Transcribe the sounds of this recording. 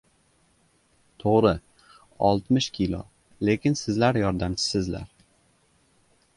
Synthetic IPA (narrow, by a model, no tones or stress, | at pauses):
t̪ʰoʁɾɪ | ɒ̰lˠt̪mɪʃkʲʰɪlˠo̰ | le̞kʲʰɪnsɪzlaɾjɒɾd̪amt͡ʃʰɪ̥sɪzla̰ɾ